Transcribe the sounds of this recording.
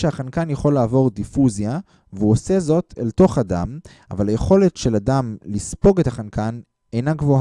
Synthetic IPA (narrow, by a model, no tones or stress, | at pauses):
ʃehaχankanjeχo̞lːaːvo̞ʁdifuzja | veuosezo̞tʰḛlto̞χada̰m | a̰valhajeχo̞le̞tʃe̞ladamlispo̞ɡethaχankan | ejnaɡvo̞h